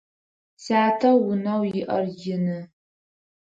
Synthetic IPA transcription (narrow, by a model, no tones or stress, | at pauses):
saːtʰɐːʊnɐwjɪʔɐ̰rjɪnɨ